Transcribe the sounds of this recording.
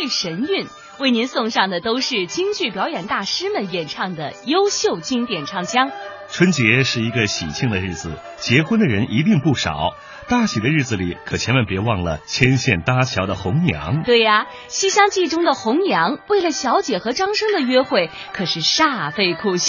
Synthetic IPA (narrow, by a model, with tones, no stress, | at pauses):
e˥˩ɪʂə˧˥ny˥˧n | we˥˩ɪni˧˥nsʊ˥˧ŋʂɑ˥˩ŋd̪ə˩t̪o˥ʊʂɻ̩˥˩t͡ɕi˥ŋt͡ɕy˥˩pjɑ˧˥ʊjɛ˨˩nt̪a˥˩ʂɻ̩˥mə˨njɛ˨˩nʈ͡ʂʰɑ˥˩ŋd̪ə˩jo˥ʊɕjo˥˩ʊt͡ɕi˥ŋt̪jɛ˨˩nʈ͡ʂʰɑ˥˩ŋt͡ɕʰjɑ˥ŋ | ʈ͡ʂʰwə˥nt͡ɕjɛ˧˥ʂɻ̩˥˩i˧˥ɡə˧ɕḭ˨˩t͡ɕʰi˥˩ŋd̪ə˩ɻ̩˥˩d͡zɹ̩˩ | t͡ɕjɛ˧˥xwə˥nd̪ə˨ɻə˧˥nʔi˧˥t̪i˥˧ŋpu˥˩ʂɑ̰˨˩˦ʊ | t̪a˥˩ɕi˨˩d̪ə˦ɻ̩˥˩d͡z̩˩li˨˩˦kʰɤ˨˩t͡ɕʰjɛ˧˥nwə˧˥npjɛ˧˥wɑ˥˩ŋlə̰˩t͡ɕʰjɛ˥nɕjɛ˥˩nt̪a˥t͡ɕʰjɑ˧˥ʊd̪ə˧xʊ˧˥ŋnjɑ̰˧˥ŋt̪we˥˩ɪɐ˩ | ɕi˥ɕjɑ˥ŋt͡ɕi˥˩ʈ͡ʂʊ˥ŋd̪ə˨xʊ˧˥ŋnjɑ˧˥ŋwe˥˩ɪlə˩ɕjɑ˧˥ʊt͡ɕjɛ˨˩xɤ˧˥ʈ͡ʂɑ˥ŋʂɤ˥ŋd̪ə˨ɥɛ˥xwe˥˩ɪ | kʰɤ˨˩ʂɻ̩˥˧ʂa˥˧fe˥˧ɪkʰu˥˧ɕi˥˩